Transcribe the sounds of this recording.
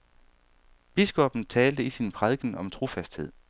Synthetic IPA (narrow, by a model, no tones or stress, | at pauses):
b̥isɡ̥ɒ̽b̥n̩t͡sʰɛːld̥əisinpʰʁaðˠɡ̥ən̩ɒ̽mt͡sʰʁo̝fæsd̥he̝ð̞̰ˠ